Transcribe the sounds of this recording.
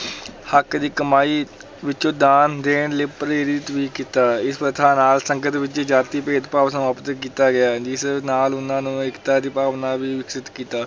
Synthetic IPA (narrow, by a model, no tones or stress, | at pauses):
həkd̪iːkəmaːiː | ʋɪt͡ʃõːd̪aːnd̪eːɳ̃leːpɾeːɾɪt̪ʋiːkiːt̪aːɪspɾət̪ʰaːnaːlsəŋɡət̪ʋɪt͡ʃːd͡ʒaːt̪iːpeːd̪paːʋsəmaːpət̪kiːt̪aːɡɪaːd͡ʒɪsnaːlʊnãːnũːɪkt̪aːd̪iːpaːʋnaːʋiːʋɪksɪt̪kiːt̪aː